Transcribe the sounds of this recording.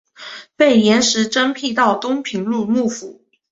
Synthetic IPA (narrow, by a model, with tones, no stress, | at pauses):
pe˥˩ɪjjɛ˧˥nʂɻ̩˧˥ʈ͡ʂə˥npʰi˥˧t̪ɑ˥˩ʊt̪ʊ˥ŋpʰi˧˥ŋlu˥˧mu˥˩fu˨˧˩